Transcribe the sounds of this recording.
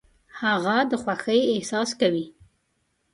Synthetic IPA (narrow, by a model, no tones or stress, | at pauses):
haɣad̪əxwaxəjehsɑskawi